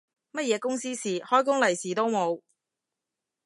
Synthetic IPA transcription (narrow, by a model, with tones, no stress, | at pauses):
mɐ˥t̚jɛː˨˧kʊ˥ŋsiː˥siː˨˩hɔː˥jk̬ʊ˥ŋlɐ˨˩jsiː˨˩t̪o˥wmo˨˧w